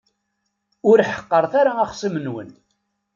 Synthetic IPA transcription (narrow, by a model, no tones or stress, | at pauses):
ʊɾħə̥qːəɾˤθaɾaæχsˤimənwə̰n